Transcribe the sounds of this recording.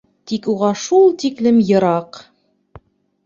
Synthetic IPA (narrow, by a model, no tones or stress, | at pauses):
t̪ikuʁɑʃulˠt̪iklɘmjɤ̆ɾɑq